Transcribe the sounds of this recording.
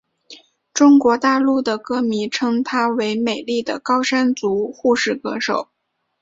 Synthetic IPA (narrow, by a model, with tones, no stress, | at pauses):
ʈ͡ʂʊ˥ŋkwɔ˧˥t̪a˥˧lu˥˩d̪ə˩kɤ˥mi˧˥ʈ͡ʂʰɤ˥ŋt̪ʰa˥we˧˥ɪme˨˩ɪli˥˩d̪ə˩kɑ˥ʊʂa˥nt͡su˧˥xu˥˧ʂɻ̩˥˩kɤ˧˥ʂo˨˩˦ʊ